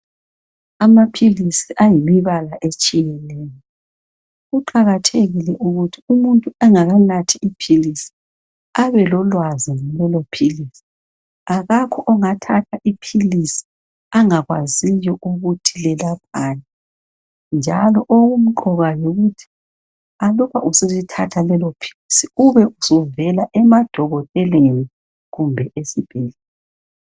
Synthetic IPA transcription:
amapʰilisiʔajimiβalaʔet͡ʃʼijɛnɛːjɔ | ɣuǃaɣatʰeɣilɛʔuɣutʰiumuntʼuɛŋaɣanatʰiipʰilisi̥ | aβɛlɔlwaziŋɛlɛlopʰilisi̥ | aɣakʰɔʔɔŋatʰatʰaʔipʰilisi̥ | aŋaɣwazijɔʔuɣutʰilɛlap̚ʰana | nd͡ʒʱalɔʔoɣum̩ǃɔɣajoɣutʰi̥ | aluβaʔusezitʰatʰalɛlɔpʰi̥lisiuβɛʔusɔvɛlaʔɛmad̥ʱɔɣɔtʼɛleni | ɣumbʱɛʔesib̥ʱɛlɛ

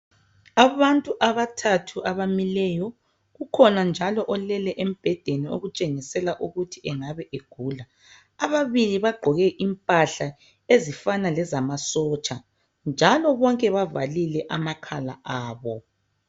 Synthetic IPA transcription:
aβantʼuʔaβatʰatʰuʔaβamilɛjɔ | ɣukʰɔnand͡ʒʱalɔʔɔlɛlɛʔem̩b̥ʱɛd̥ʱenio̰ɣut͡ʃʼeŋisɛlaʔuɣutʰiʔɛŋaβɛʔeɡ̥ʱuːlaː | βaβiliβaɡ͡ǃʱɔɣɛʔimpʼaɬa | ezifanalɛzamasɔːt͡ʃʼa | nd͡ʒʱalɔβɔŋkʼɛβavalilɛʔamakʰala̰ʔaːβɔ

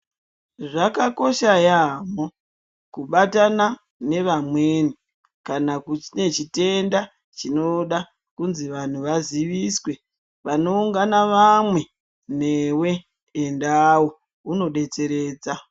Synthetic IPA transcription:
ʐakako̞ʃajamo | kuɓatana | ne̞ʋamweni | kanakut͡ʃine̞t͡ʃite̞nda | t͡ʃino̞ɗa | kunziʋan̤uʋaziʋiswe̞ | ʋano̞uŋɡanaʋamwe̞ | n̤e̞we̞ː | ndawo | uno̞ɗe̞t͡se̞ɾe̞ːd͡za

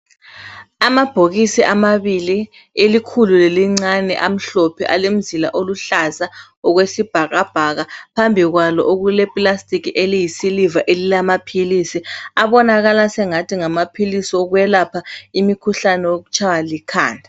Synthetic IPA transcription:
amab̥ʱoɣisiʔamaβili | elikʰululeliŋ͡ǀanɛ̰ʔam̩ɬɔpʰɛʔa̰lem̩zila̰ʔoluɬaza | ɔɣwesib̥ʱaɣab̥ʱaɣapʰambʱiɣwalɔ̰ʔoɣulɛpʼlastʼikiʔelijisilivaʔelilamapʰilisiaβɔnaɣalasɛŋatʰiŋamapʰilisiɔɣwɛlapʰaimikʰuɬanɛwoɣut͡ʃʰawalikʰa̰ːndʱa

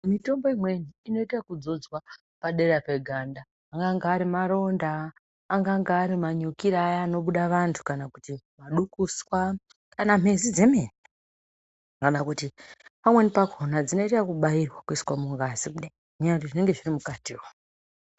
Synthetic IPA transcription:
mito̞mbo̞imwe̞niːno̞itakud͡zo̞d͡zwa | paɗe̞ɾape̞ɡʱandaː | ŋɡaŋɡaːɾimaɾo̞ndaː | ŋɡaŋɡaːɾimaɲokiɾajaːno̞ɓuɗaʋantʰu̥kanakutimaɗukuswa | kanam̤e̞zid͡ze̞meni | kanakutipamwe̞nipakʰo̞nad͡zino̞itakuɓairwakuiswamuŋɡazikuɗa | iantiʐine̞ŋɡe̞ʐirimukati

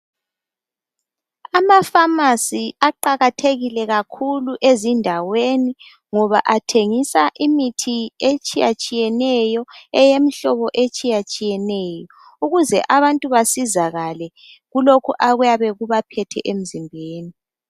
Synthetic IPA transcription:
amafamasiaǃaɣatʰeɣilɛɣakʰuluʔezindʱaweni | ŋɔβa̰ʔatʰeŋisaʔimitʰiet͡ʃʼija̰t͡ʃʼijɛnɛjɔɛjemiɬɔβɔʔet͡ʃʼijat͡ʃʼijɛnɛjɔ | uɣuzɛ̰ʔaβantʼuβasizaɣalɛ | ɣulokʰuʔaɣujaβɛɣuβapʰɛtʰɛ̰ʔem̩zimbʱeːni

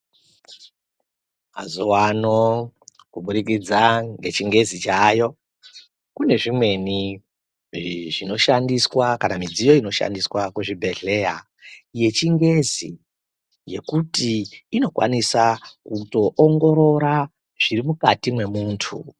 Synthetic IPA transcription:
ma̰zuwano | kuɓurikid͡zaŋɡe̞t͡ʃiŋɡe̞zit͡ʃaːjo̞ | kune̞ʐimwe̞ni | ʐino̞ʃandiswakanamid͡zijo̞ino̞ʃa̰ndiswakweʐibʱe̞ɮe̞ja̰ | je̞t͡ʃiŋɡe̞zi | je̞kutiːno̞kwa̰nisakuto̞ʔoŋɡo̞ɾo̞ɾa | ʐ̥irimukatimwe̞muːntʰṵ

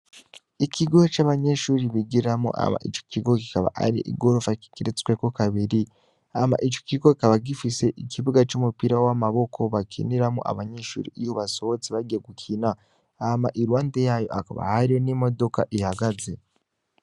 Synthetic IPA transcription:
icʰiɡot͡ʃaːβaɲe̞ʃuːɾiβiɡiɾiɾamo̰ʔa̰ma̰ʔḭt͡ʃo̥ciɡoki̥kaβa̰ʔa̰ɾḭʔḭɡo̞ɾofaki̥kiɾet͡skwekokaβiɾi | ama̰ʔit͡ʃo̥ciɡoki̥kaβaɡifise̞ʔikiβuɡat͡ʃumupiɾawamaβo̞kʰo̞βakʰḭniɾamoʔa̰βaɲeʃṵːɾḭʔijoβaso̞βot͡siβaɡieɡukʰinaː | maʔiɾwaːnde̞jaːjo̞ʔaka̰βa̰haɾijonimo̞do̞ka̰ʔihaɡaze̞

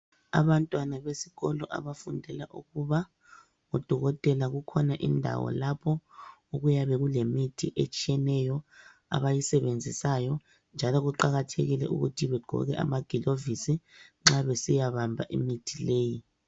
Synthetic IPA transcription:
a̰βantʼwanaβesi̥ɣɔlɔʔa̰βafundʱɛlaʔuɣuβa | ŋɔd̥ʱɔɣɔtʼɛlaɣukʰɔnaʔindʱa̰wɔ̰lapʰɔuɣujaβɛɣulemitʰiʔet͡ʃʼiɛnɛjɔ | a̰βajisɛβend͡zʱisajɔ | nd͡ʒʱalɔɣuǃaɣatʰeɣilɛʔṵɣutʰiβɛɡ̥ʱɔ̰ɣɛʔa̰maɡ̥ʱilovisiŋ͡ǁaβɛsijaβambʱaʔimitʰileːji

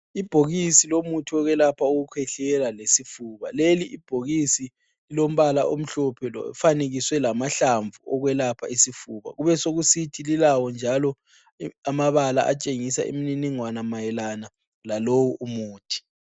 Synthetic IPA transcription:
ib̥ʱoɣisilomutʰiɔɣwɛlapʰaoɣukʰwɛɬɛlalesifuβa̰leliʔib̥ʱoɣisi | lilom̩βalaʔom̩ɬɔpʰɛlɔ̰faneɣiswɛlamaɬaɱvuɔɣwɛlapʰa̰isifuːβa̰ɣuβɛsoɣusitʰililawɔnd͡ʒʱalɔ | amaβala̰ʔa̰t͡ʃʼeŋisa̰ʔḛmininiŋwanamajɛlana | lalowuʔumuːtʰi̥

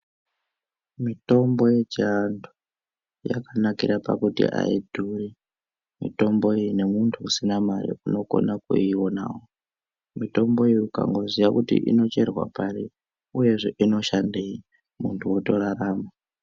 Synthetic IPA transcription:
mitʼɔmbɔjɛt͡ʃiandʰɔ | ja̰kʰanakʼiɾapa̰kutḭʔa̰idʱuɺi | mḭtʼɔmbɔinɛmuntʰukusinamajḭunɔkʼɔ̰nakʼṵiɔna̰ːwɔ | mitʼɔmbɔijukʰʼa̰ŋɡozijakutḭʔḭnɔt͡ʃɛɾwa̰pʼaɺi | ujɛzʷiʔinɔʃandɛi | muntʰuwɔtʼɔɺaɾaːma

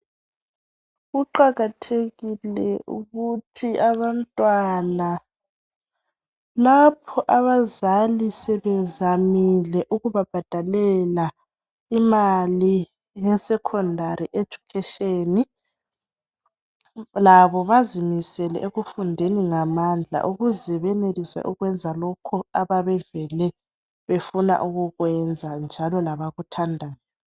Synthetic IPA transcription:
ɣuǃaɣatʰeɣilɛṵɣutʰiaβantʼwana | lapʰɔʔaβazalisɛβɛzamilɛʔuɣuβab̥ʱad̥ʱalɛla | imali | jɛsɛkʰɔndʱaɾiʔed̥d͡ʒ̥ʱukʰɛʃeni | laβɔβazimisɛlɛ̰ʔeɣufundʱeniŋamand͡ɮʱa̰ʔuɣuzɛβɛnelisɛ̰ʔuɣwɛnd͡zʱalɔkʰɔaβaβɛvɛlɛ | βefuna̰ʔuɣuɣwɛnd͡zʱand͡ʒʱalɔlaβaɣutʰandʱa

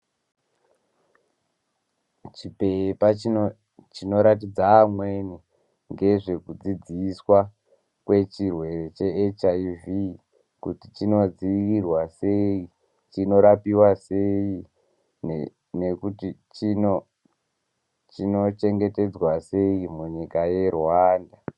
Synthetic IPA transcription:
t͡ʃipe̞pa | t͡ʃino̞ɾatid͡zaːmweni | ŋɡe̞ʐe̞kud͡zid͡ziːswa | kwe̞t͡ʃirwe̞re̞t͡ʃe̞et͡ʃaivi | kutit͡ʃino̞d͡ziirwaseji | t͡ʃino̞ɾapiwase̞ji | n | ne̞kutit͡ʃino | t͡ʃino̞t͡ʃe̞ŋɡe̞te̞d͡zwase̞jimuɲikaje̞rwaːnda

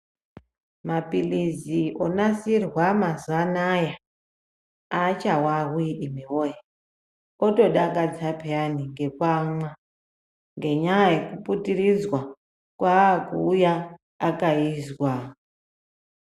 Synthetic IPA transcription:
mapilizionasirwamazuanaja | at͡ʃawaɣiɗimiwoja | otoɗak̬ʼad͡zapeaniŋɡe̞kwamwa | ŋɡe̞ɲajekuputirid͡zwa | kwakuːjaː | kaizwa

